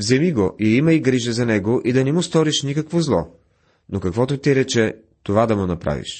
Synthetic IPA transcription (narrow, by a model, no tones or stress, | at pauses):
vzɛmiɡoʔiimɐiɡɾiʒɛzɐnɛɡoʔid̪ɐnɛmust̪ɔɾiʃnikɐkvozlˠɔ | nokɐkvɔt̪ʊt̪iɾɛt͡ʃɛ | t̪ovad̪ɐmʊnɐpɾa̰vḭʃ